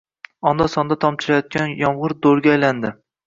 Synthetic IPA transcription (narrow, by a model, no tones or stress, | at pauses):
ɒnd̪asɒnd̪at̪ʰɒmt͡ʃʰɪɾajɒt̪̚kʲʰanjɒmʁɨɾd̪oɾɡʲaːjland̪ɪ